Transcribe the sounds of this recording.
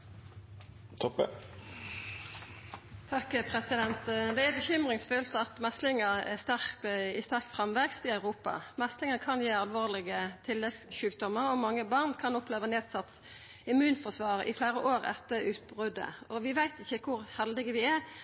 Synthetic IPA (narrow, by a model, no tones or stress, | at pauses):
t̪ʰɔpːə̰ | t̪ʰɑkpʰʁɛsɪd̪ɛnt̪d̪ɛææbəçʏmʁɪŋsføːlt̪əɑt̪mɛst̪lɪŋəʁæst̪æʁkt̪əɪst̪æʁkt̪fʁɑmʋɛkst̪ɪɑʉʁuːpɑ̰mɛst̪lɪŋəkʰɑnjiːɑlʋoːʁlɪɡət̪ʰɪlːɛɡsʃʉːkd̪ɔməʁɔmɑŋːəbɑʁnkʰɑnʊpleːʋəneːd̪sɑt̪s | ɪmʉːnfɔsʋɑːʁə̰ʔɪ̰fleːʁəʔoːʁɛ̰t̪ːəʁʉːt̪̚bʁʉd̪ə̰ɔʋɪʋæɪt̪ɪçːəkʰʊʁhɛld̪ɪɡəʋɪæ